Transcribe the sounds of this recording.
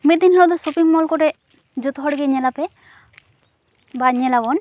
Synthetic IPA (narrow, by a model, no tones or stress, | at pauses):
met̪inɦlod̪ɔsupiŋmɔlkoʈe | d͡ʒut̪ɦɔɽɡeɲɛlape | baɲɛlabɔn